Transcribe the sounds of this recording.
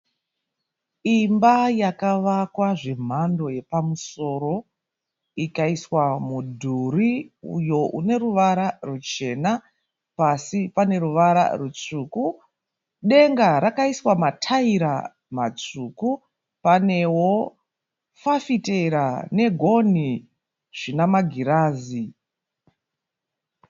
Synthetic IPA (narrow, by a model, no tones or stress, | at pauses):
imbajakaʋakwaʐe̞m̤ando̞je̞pamuso̞ɾo̞ | ikaiswamudʱuriṵjo̞ʔune̞ɾuʋaɾarut͡ʃe̞na | pasipane̞ɾuʋaɾa̰rut͡ʂuːku | ɗe̞ŋɡaɾakaiswamatʰaiɾa | mat͡suːku | pane̞wo̞ | fafiteɾane̞ɡʱo̞ni | ʐ̥inamaɡʱiɾaːzi